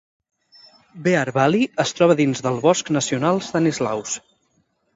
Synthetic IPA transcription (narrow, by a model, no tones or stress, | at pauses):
beaɾβaliəst̪ɾɔβəðinzðəlˠβɔsknəsiunalˠst̪anizla̰ws